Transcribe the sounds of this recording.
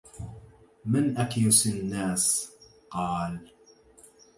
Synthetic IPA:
mɪnʔakjʊsɪnːaːs | qɑːl

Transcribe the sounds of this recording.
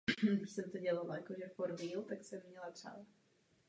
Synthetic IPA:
dɪʃsɛmt̪oɟɛlalajakoʒɛfoɾviːlt̪aksɛmːɲɛlat̪r̥a̰ːva

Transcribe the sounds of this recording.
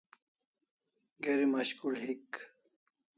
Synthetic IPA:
ɡeɾimɐɕkulɦik

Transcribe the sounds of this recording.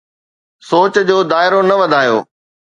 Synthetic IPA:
soːt͡ɕd͡ʑoːd̪aːɪɾonɐʋɐd̪ʱaːjo̰ː

